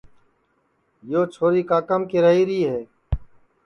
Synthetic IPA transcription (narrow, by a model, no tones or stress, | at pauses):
joːt͡ʃʰoːɾiːkaːkəmkɪɾəɦiːɾiːɦɛː